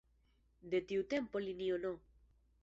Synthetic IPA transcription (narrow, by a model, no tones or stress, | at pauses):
d̪et̪iwt̪empoliniono